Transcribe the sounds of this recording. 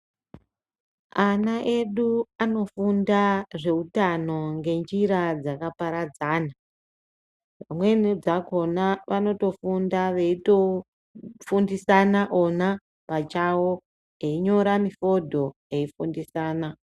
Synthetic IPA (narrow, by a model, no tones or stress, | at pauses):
anaʔe̞ɗuano̞fundaʐe̞utano̞ŋɡe̞nd͡ʒiɾad͡zakapaɾad͡zaːna | ʋamwe̞nid͡zako̞naʋano̞to̞fundaʋe̞ito̞ | fundisanaʔo̞na | pat͡ʃawo | eiɲo̞ɾamifo̞dʱo̞ | e̞ifundisaːna